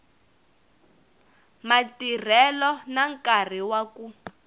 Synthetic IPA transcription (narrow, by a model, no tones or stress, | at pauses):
matir̤ɛlɔnaŋkar̤iwaku